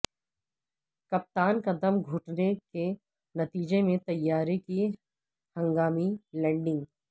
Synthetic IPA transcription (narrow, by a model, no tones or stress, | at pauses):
kɐp̚t̪aːnkɐd̪ɐmɡʱʊːʈneke | nɐt̪iːd͡ʒemẽt̪ɐjːaːɾeki | hɐ̃ŋɡaːmilɛ̃ːɳɖɪ̃ŋɡ